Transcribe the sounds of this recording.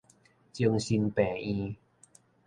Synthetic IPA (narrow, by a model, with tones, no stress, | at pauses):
t͡ɕi˧əŋsi˧npɛː˨˩ĩ˧